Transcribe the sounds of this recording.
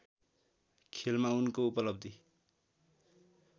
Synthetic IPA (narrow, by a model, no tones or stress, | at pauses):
kʰelmaunkoupʌlʌb̚d̪ʱi